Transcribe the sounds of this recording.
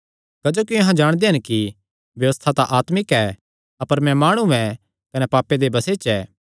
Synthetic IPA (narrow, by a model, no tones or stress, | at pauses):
kɐd͡ʒoːkiɐɦãd͡ʒaːɽ̃d̪eɦɪnki | bjɐʋəst̪ʰat̪aʔaːt̪mɪkɛ | ɐpəɾmɛ̃maːɽ̃uɛ̃ | kɐnɛpaːpːed̪ebɐseːt͡ʃɛː